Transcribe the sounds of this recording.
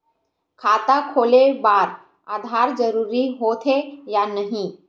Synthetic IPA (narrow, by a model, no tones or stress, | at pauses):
kʰaːt̪akʰoːlebaːɾ | aːd̪ʱaːɾd͡ʒəɾuːɾiɦoːt̪ʰɦejanɐɦĩː